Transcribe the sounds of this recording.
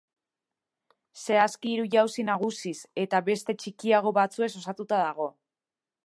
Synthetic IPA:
se̞askiːɾuʝawsinaɣ̞usise̞t̪aβe̞st̪e̞t͡ʃikiaɣ̞o̞βat͡sue̞ks̬o̞sat̪ut̪aðaɣ̞o̞

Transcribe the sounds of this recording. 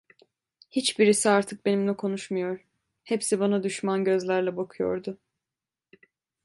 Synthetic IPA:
hit͡ʃbiɾisiaɾt̪ʰɯk̚be̞nimlʲɛkʰo̞nuʃmajo̞ɾ | hepsibanad̪yʃmanɟø̞zlʲæɾlʲˠɛbakʰujo̰ɾd̪ʊ

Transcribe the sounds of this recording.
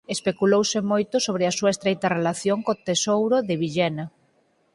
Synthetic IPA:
espekulowsɪmojt̪ʊsoβɾɪasuɐest̪ɾejt̪ɐrelaθjoŋkot̪esowɾʊðɪβiʎɛnɐ

